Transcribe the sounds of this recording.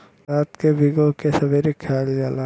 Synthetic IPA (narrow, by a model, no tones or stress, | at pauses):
aːt̪kebʱɪɡõkesɐbeɾikʰːaːld͡ʒaːla